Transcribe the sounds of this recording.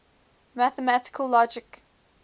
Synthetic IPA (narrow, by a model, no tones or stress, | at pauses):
mæθəmætɪ̥kʰəlˠlɔd͡ʒɪk